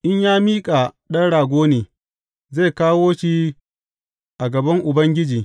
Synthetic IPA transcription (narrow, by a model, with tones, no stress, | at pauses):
ʔɪ˦ɲjaː˦miː˦kʼa˨ɗɐ˦nɽaː˨ɡʷoː˦neː˨ | ze˦˨kaː˦woː˦ʃi˦ | ʔa˨ɡɐ˨bɐ˦ŋʔʊ˨bɐ˦ŋɡʲɪ˦d͡ʒiː˨